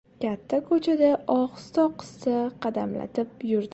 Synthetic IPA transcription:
kʲʰat̪ʰːakʰɵt͡ʃʰad̪aʔɒχst̪ɒqʰɨ̥st̪aqʰɑd̪amla̰t̪ʰɪp̚jʊɾd̪

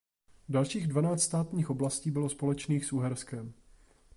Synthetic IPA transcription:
dalʃiːɣdvanaːt͡st̪st̪aːt̪ɲiːxʔo̞blasciːbɪlo̞spo̞lɛt͡ʃniːxsʔuɦɛɾskɛm

